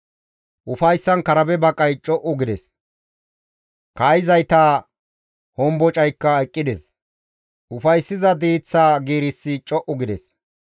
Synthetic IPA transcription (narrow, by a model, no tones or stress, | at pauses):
ʔʊfɐjsːɐnkɐɾɐbɛbɐkʼːɐjt͡ʃʼɔʔʊɡɪd̪ɛs | kɐjzɐjt̪aː | hɔmbɔt͡ʃʼɐjkːɐɛkʼːɪd̪ɛs | ʔʊfɐjsːɪzɐd̪iːt͡sːaːɡiːɾɪsːɪt͡ʃʼɔʔʊɡɪd̪ɛs